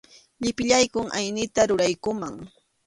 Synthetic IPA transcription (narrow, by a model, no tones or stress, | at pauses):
ʎɪpɪʎajkʊŋʔa̰jnɪt̪aɾʊɾajkʊmaŋ